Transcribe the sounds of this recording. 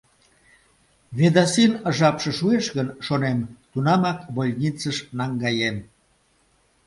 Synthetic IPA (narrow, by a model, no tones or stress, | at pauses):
βed̪ɑsinəʒɑpʃə̆ʃueʃɣənʃonemt̪unɑmɑkβolʲnʲit͡səʃnɑŋɡɑjem